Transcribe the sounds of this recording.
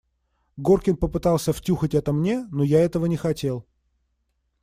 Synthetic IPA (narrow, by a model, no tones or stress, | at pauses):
ɡorkʲɪnpəpɨt̪ɑlˠsʲəftʲuxətʲɛt̪əmnʲe̞nojaɛt̪əvənʲɪxɐtʲe̞lˠ